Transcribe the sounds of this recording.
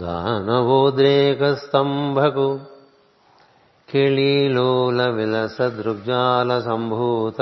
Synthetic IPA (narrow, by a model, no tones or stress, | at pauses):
d̪aːnɐʋoːd̪ɾeːkɐst̪ɐmbʱɐku | keɭiːloːlɐʋilɐsɐd̪ɾuɡ̚d͡ʒaːlɐsɐmbʱuːt̪ɐ